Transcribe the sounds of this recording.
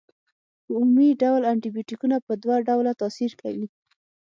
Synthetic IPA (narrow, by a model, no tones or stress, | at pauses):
d̪əumumiɖawlaɳʈibjoʈikunapəd̪waɖawlat̪ɑsiɾkʰa̰wi